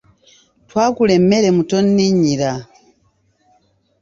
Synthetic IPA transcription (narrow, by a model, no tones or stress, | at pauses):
twaːkulemeɾemutonːiɲiɾa